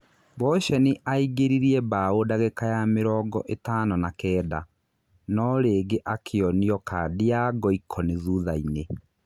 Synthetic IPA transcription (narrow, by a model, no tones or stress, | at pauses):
bɔʃɛniʔaiɡeɾiɾiɛbaodaɣekajameɾɔɡɔʔetaːnɔnakɛːda | nɔɾeːɡeʔakʰeɔniɔkadejaɡɔikʰɔneðuðaine